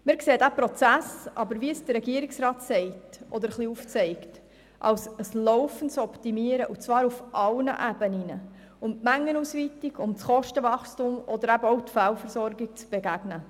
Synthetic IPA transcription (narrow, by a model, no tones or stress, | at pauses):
mɪːɾkseːdæpɾɔt͡sæsɑbəɾʋiəsd̥əɾːɛɡiəɾiksɾɑːtsɛɪtʔɔd̪əɾχliuft͡sɛɪkt | ʔɑ̰wsəslɔʊfən̩t͡sɔptimiəɾəʔut͡svɑːɾufʔɑlnə̰ʔæbəninə | ʊmtmæŋːənuːsʋitiɡʊmt͡sχɔʃtəvɑχstumɔd̪əɾæbəɔʊtfælfəɾsɔɾɡik̚t͡sb̥eɡæɡ̥nə